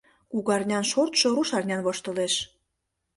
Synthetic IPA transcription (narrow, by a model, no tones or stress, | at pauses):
kuɣɑrnʲɑnʃort̪ʃoɾuʃɑrnʲɑnβoʃt̪ɤ̆leʃ